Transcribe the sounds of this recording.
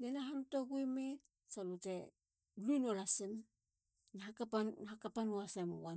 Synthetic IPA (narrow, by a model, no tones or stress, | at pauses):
nenaɦanutoɡujme | salute | lunolasen | nahakapanhakapanoasemo̰wa